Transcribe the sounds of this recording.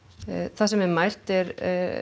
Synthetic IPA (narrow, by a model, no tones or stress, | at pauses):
θasɛmɛmajr̥t̪ɛɾ